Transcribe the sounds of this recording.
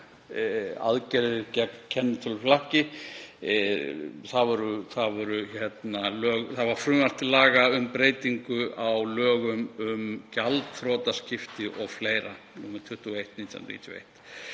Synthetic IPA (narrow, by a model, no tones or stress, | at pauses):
a̰ðcɛɾðɪcacʰɛnːt̪ʰʏlflahcɪ | θavɔɾʏθavɔɾʏçɛt̪nalœːɣθaðvaɾ̥fɾʏːmal̥t̪ɪlaːɣaʏmpɾeːjt̪iŋkʏawlœːɣʏmʏmcalt̪θɾɔːt̪ascɪft̪ɪʔɔɣfleːjɾa | nuːmɪt̪ʰʏht̪uejht̪niːt̪ʰːa̰nɾḭːt̪vḛjht̪